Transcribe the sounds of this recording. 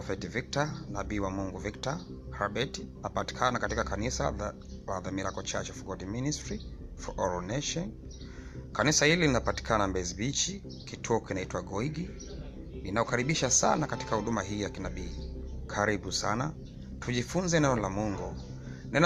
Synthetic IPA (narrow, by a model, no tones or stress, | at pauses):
ɔfɛtivik̚tanaɓiːwamuŋɡuvikta | haɓɛtinapati̥kʰanakatikakanisa̰ | laðamiɾakɔt͡ʃat͡ʃɛfuɡɔɗiministɾi | fɔʔɔɾɔnɛʃɔn | kanisahililinapati̥kʰanambɛzibit͡ʃi | kitʰuɔkinaitwaɡɔiɡi | ninaɔkaɾiɓiʃasa̰nakati̥kahuɗumaɦiːjakinaɓiːkʰaɾiɓusana | tʰuʄifunzɛnɛnɔlamuŋɡu | nɛn